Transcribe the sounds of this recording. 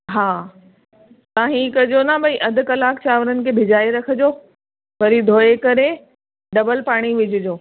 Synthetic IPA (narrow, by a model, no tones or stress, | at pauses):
ɦaː | t̪ãːɦĩkɐd͡ʑonabɐiʔɐd̪ʱʊ̆kɐlaːkt͡ɕaːʋəɾənɪ̆kʰeːbʱɪd͡ʑaːeɾɐkʰə̆d͡ʑoː | ʋɐɾid̪ʱoːekɐɾe | ɖɐbəlpaːɽ̃iʋɪd͡ʑʱɪd͡ʑoː